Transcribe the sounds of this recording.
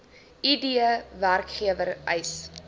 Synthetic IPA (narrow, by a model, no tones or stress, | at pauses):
idiəværkχiəvərɛjs